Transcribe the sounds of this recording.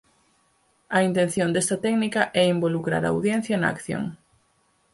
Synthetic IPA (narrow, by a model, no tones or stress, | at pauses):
ɐint̪ẽn̟θjond̪ɛst̪ɐt̪ɛknikɐʔɛimbolukɾa̰ɾa̰a̰wðjɛn̟θjɐnɐa̰kθjo̰ŋ